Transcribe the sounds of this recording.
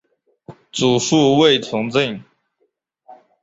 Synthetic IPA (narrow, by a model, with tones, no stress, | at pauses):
t͡su˨˩ʂu˥˧we˥˩ɪt͡sʰʊ˧˥ŋt͡si˥˩ŋ